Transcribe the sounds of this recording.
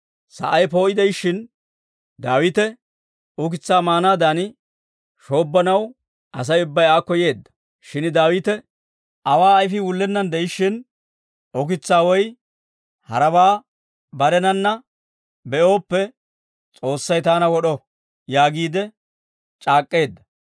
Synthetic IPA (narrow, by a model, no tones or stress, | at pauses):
sɐ̰ʔɐjpo̞ːʔɪd̪ɛjʃːɪn | d̪aːwɪt̪ɛ | ʊkɪt͡sːaːmaːnaːd̪aːnɪ | ʃo̞ːbːɐnɐw | ʔɐs̬ɐjʊbːɐjaːkːɔje̞ːd̪ːɐ̥ | ʃɪnd̪aːwɪt̪ɛ | ɐwaːɐjfɪwʊlːɛnːɐnd̪ɛjɪʃːɪn | ʊk̬ɪt͡sːaːwɔj | hɐ̰ɾɐbaː | bɐɾɛnɐnːɐ | bɛʔo̞ːpːɛ | t͡sʼo̞ːsːɐjt̪aːnɐwɔɗɔ | jaːɡiːd̪ɛ | t͡ʃʼaːkʼːe̞ːd̪ːɐ